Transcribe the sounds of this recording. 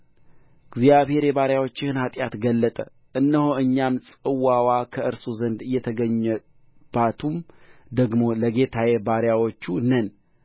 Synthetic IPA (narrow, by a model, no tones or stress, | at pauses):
ɪɡzijaβhe̞ɾjɛβaɾjawo̞t͡ʃːɪhɨnhat̪ʼjat̪ɡəlːət̪ʼə | ʔɨnːəhoɨɲːamsʼɨwːawakʰəɨɾsuzənd̪ɨjːɛt̪ʰəɡəɲːɛ | b̥at̪ʰumd̪əɡmo̞ləɡe̞t̪ʰajebaɾjawot͡ʃːunən